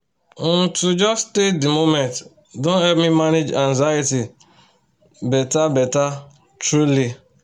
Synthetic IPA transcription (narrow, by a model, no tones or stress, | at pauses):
n̩tud͡ʒɔstedimomɛ̃nt | dõnhɛbmimaned͡ʒãnzajiti | bɛtabɛta | tɾuli